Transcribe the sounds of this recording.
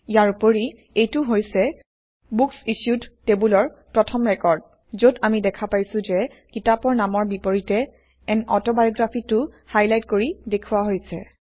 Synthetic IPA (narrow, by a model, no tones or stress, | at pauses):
ijaɹupoɹi | ejtʊɦojsɛ | buksiʃjudːebulɔɹ | pɹɔtʰɔmɹɛkɔɹd | zodamidɛkʰapajsʊ̃zɛ | kitapɔɹnamɔɹbipoɹitɛ | ɛnɔ̰tɔbajoɡɹapʰitʊhajlajtkoɹidekʰuwaɦojsɛ̰